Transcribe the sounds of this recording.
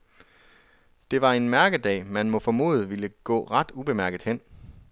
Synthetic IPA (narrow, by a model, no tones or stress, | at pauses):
d̥e̝ʋɑ̈e̝nmæɐɡ̥ðˠd̥ɛ̰ːmænmɒ̽fɒ̽mo̝̰ːð̞̩ˠʋiləɡ̥ɔ̰̽ːʁɑd̥ub̥e̝mæɐɡ̥əð̩ˠhen̰